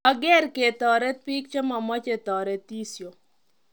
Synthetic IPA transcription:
a˨ɡɛ˦ɾke˨t̪ɔ˨ɾɛ˦t̪̚pi˦k̚t͡ʃɔ˦ma˨mɔ˦t͡ʃe˨t̪ɔ˨ɾɛ˦t̪i˦sjo˨

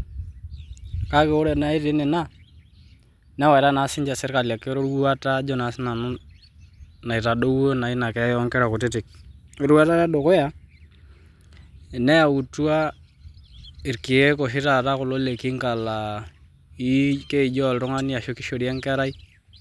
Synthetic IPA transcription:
ka˦ke˨o˦ɾe˨na˦i˦tɪ˦nɛ˨na˦ | na˦wa˨ɾa˦na˨˦sɪ˦ɲd͡ʒa˨sɪ˦ɾka˨lja˨ke˦ɾo˦ɾwu˦a˦ta˦d͡ʒɔ˦na˨sna˨nʊ˦ | na˨i˨ta˨do˦wo˦na˨i˦na˨kɛ˨˦jɔ˦ŋkɛ˦ɾa˨ko˨tɪ˦tɪ˨k̚ɪ˦ɾa˦ta˦ɾa˦do˨ko˦ja˦˨ | nɛ˦ja˨wu˨tu˦a˦ | ɪ˨ɾki˨je˦ko˨ʃ̬ɪ˦ɾa˨ta˦kʊ˨lo˦le˨ki˦ŋka˨la˨ | i˦ke˦i˨d͡ʒɔ˦˨lɾʊ˦ŋa˦ni˦a˨ʃo˦kɪ˦ʃo˨ɾi˦a˦ŋkɛ˦ɾa˦i˦

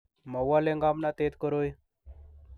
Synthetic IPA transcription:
ma˨wa˦le˦ŋɡa˦mna˦t̪et̪kəɾo˦j

